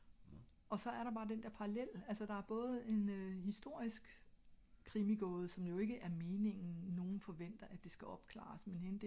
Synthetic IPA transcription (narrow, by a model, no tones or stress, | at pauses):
ʔɒ̽sɒ̽æɐɾɑ̈b̥ɑ̈ːd̥end̥eɐpʰɑ̈ʁɑlel̰ælsɐd̥ɑ̈æɐb̥ɔ̽ːð̞̩ˠe̝nhisd̥o̝ɐ̰isɡ̥ | kʰːʁimiɡ̥ɔːð̞̩ˠsɒ̽mjo̝e̝ɡ̥əʔæɐme̝ːne̝ŋ̰n̩no̝ːn̩fɒ̽ʋen̰d̥ɐʔæd̥e̝sɡ̥æʔɒ̽b̥kʰlɑ̰̈ːsmenhenəd̥e